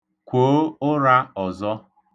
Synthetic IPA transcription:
kʷoː˨˦ʊ˦ɾa˦ɔ˨zɔ˦

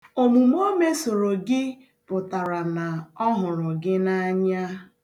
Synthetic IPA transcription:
o˨mu˨m˦o˦me˦so˨ɾo˨ɡɪ˦ | pʊ˨ta˨ɾa˨na˨ɔ˦ɦʊ˨ɾʊ˨ɡɪ˦na˦ɲa˦

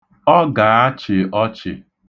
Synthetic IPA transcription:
ɔ˦ɡa˨a˦t͡ʃɪ˨ɔ˦t͡ʃɪ̰˨

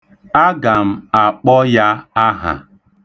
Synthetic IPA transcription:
a˦ɡa˨m̩˦a˨k͡pɔ˦ja˦a˦ɦa̰˨

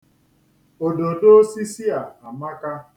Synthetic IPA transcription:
o˨do˨do˦si˦si˦a˨a˨ma˦ka˦

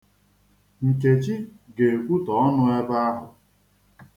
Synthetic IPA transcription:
ŋ̩˨ke˨t͡ʃi˦ɡe˨e˨kʷu˦tɔ˨ɔ˦nʊ˦e˦ba˦a˦ɦʊ˨

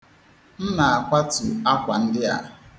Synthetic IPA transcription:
n̩˦na˨a˨kʷa˦tu˨a˦kʷa˨n̩˦dɪ˦a̰˨

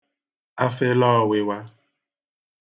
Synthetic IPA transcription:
a˦fɪ˦lɔː˦˨wɪ˨wa˦

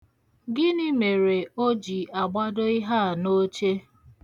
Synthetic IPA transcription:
ɡɪ˦ni˦me˨ɾe˨o˦d͡ʒi˨a˨ɡ͡ba˦do˦ɪ˦ɦa˦˨no˦t͡ʃe˦

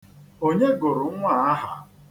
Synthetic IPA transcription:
o˦ɲe˦ɡʊ˨ɾʊ˨˦ŋʷa˨a˦ɦa˨

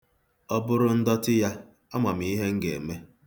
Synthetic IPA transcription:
ɔ˦bʊ˦ɾʊ˦n̩˦dɔ˦tɪ˦ja˦ | ɔ˦ma˨m˨i˦ɦe˦ŋ̩˦ɡe˨me˦

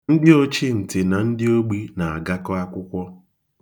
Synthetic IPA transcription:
n̩˦dɪ˦o˦t͡ʃi˦n̩˨tɪ˨na˨n̩˦dɪ˦o˦ɡ͡bi˦na˨a˨ɡa˦kɔ˦a˦kʷʊ˦kʷɔ˦

